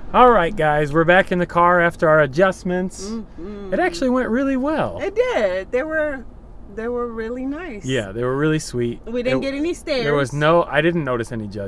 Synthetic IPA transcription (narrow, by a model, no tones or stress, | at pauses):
ɔlˠɹaɪt̚ɡ̥aɪzwɪɹbækɨ̃nðɨkʰɑɹæftə˞ə˞ɨd͡ʒʌsmɨ̃ntsɨɾæk̚t͡ʃʉl̩ˠiwɛ̃nʔɹɪlˠiwɛlˠɪt̚d̥ɪdðeɪwə˞ | ðeɪwə˞ɹɪlˠinaɪsjæ̰ðeɪwə˞ɹɪlˠiswit̚widɪdnɡɛɾɛnistɛðə˞wʌznoʊʔa̰ɪɾɪdⁿn̩noʊɾɨsɛnid͡ʒʌ